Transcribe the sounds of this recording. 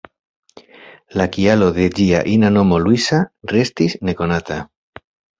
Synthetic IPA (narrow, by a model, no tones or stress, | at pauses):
lakialoðeʎia̰ʔinanomolwisarest̪isnekonat̪a